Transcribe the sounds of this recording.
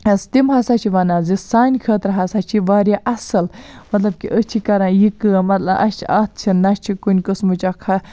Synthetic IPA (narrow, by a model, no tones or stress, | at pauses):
ɐst̪imɦɐsaːt͡ʃʰiʋɐnaːzisaːnʲkʰəːt̪ɾɦɐsaːt͡ʃʰiʋaːɾʲjaʔɐsɐlmɐt̪lɐbkiʔət͡ʃʰikɐɾãːjikɨmɐt̪lɐbʔɐ̰t͡ʃʰiɐt̪̚ʰt͡ʃʰinɐt͡ʃʰikunʲkɨsmut͡ʃɐkʰɐ